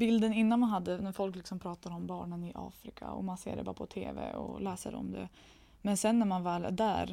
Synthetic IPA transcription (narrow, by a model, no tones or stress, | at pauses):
bɪld̪ənɪnːanmanɦad̪ːənæɾfɔlklɪksɔmpʰɾɑːt̪aɾɔmbɑːɳənɪʔɑ̰ːfɾɪkʰa̰ɔ̰mansḛːɾɛbɑːɾa̰pʰɔt̪ʰeːvɛ̰ɔ̰lɛːsə̰ɾɔ̰md̪ɛ̰ | mɛnsɛnːæɾmanvɛːld̪æ̰ɾ